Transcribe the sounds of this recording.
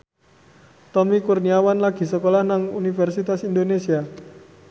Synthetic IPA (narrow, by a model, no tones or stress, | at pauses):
t̪ɔmikurniawanlaɡ̥i̤səkolahnaŋunifɛrsit̪asind̪onesia